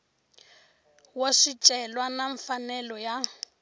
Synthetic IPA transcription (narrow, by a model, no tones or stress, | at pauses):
woʂit͡ʃʼɛlwanaɱfanɛlɔja